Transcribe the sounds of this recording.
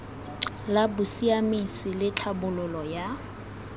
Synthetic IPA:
labʊsiamisɪlɪt͡ɬʰabʊlʊlɔja

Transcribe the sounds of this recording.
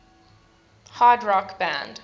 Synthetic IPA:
hadɹɔkb̥æ̰̃nd̥

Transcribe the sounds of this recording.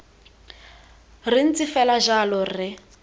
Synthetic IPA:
rin̩t͡sɪfɛlaʒalɔrɪ

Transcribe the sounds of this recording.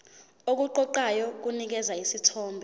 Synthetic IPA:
ok̬uǃɔǃajɔk̬unik̬ɛzaisitʰɔːmbʱɛ

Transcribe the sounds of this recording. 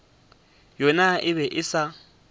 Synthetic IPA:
jɔnaʔɪβɛʔɪsa

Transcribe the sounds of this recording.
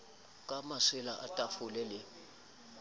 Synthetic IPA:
kʼamaswɪlaʔa̰tʼafʊlɛlɪ

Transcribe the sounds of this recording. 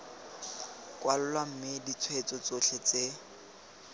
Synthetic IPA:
kʼwalʊlwam̩mɪdit͡sʰwet͡sɔt͡soɬʰet͡se

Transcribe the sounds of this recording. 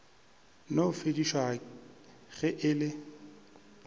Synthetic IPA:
nofediʃwa | ɣɛʔɪlɪ

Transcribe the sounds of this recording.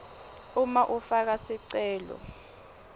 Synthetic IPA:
umaʔufak̬asiǀɛːlɔ̰

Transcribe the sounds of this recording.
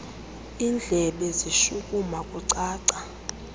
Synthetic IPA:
ind͡ɮʱɛɓɛziʃukʼumakʼuǀaːǀa

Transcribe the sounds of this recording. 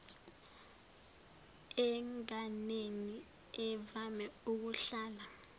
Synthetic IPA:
ɛŋaneni | ɛvamɛuk̬uɬaːla

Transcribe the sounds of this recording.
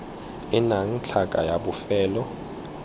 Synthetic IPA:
inaŋ̩t͡ɬʰakʼa̰jaɓufɛːlɔ

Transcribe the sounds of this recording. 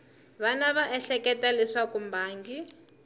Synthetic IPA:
βanaβaʔɛɬɛkɛtalisakumbʱaːŋɡi

